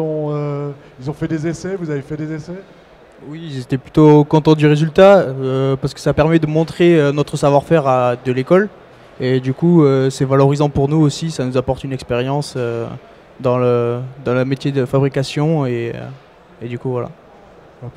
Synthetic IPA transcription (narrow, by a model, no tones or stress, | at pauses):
ɔ̃ø | ilzɔ̃fɛd̪ezesɛvuzavefɛd̪ezesɛ | wiilzet̪ɛplyt̪okɔ̃t̪ɑ̃d̪yʁezylt̪aøpaʁsə̥kə̥sapɛʁmɛd̪əmɔ̃t̪χeønɔt̪χəsavwaʁfɛʁad̪əlekɔl | ed̪ykuøsɛvalɔʁizɑ̃puʁnuosisanuzapɔʁt̪ynɛkspeʁjɑ̃sø | d̪ɑ̃ləd̪ɑ̃ləmet̪jed̪əfabʁikasjɔ̃eø̰ | ed̪ykuvwala̰